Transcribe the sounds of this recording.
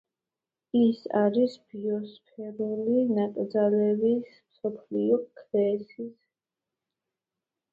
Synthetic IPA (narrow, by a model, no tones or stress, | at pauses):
isa̰ɾisb̥iɔspʰɛɾulinakʼd̪zalɛvismsɔpʰliɔkʰlɛsis